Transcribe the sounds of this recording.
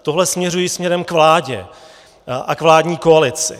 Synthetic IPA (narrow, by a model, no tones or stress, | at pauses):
t̪o̞ɦlɛsmɲɛrujismɲɛɾɛmkvlaːɟɛ̰ | ʔakvlaːdɲiːkoalɪt͡sɪ̰